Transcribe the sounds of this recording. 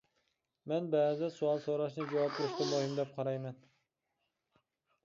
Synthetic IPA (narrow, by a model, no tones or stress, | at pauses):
mɛnbæːzɪsuɑlˠsoɾɑʃnɨd͡ʒɛwɑp̚k̪ʰʊɾɪʃt̪ɑbohimd̪ɛp̚qʰɑɾɑjmɛn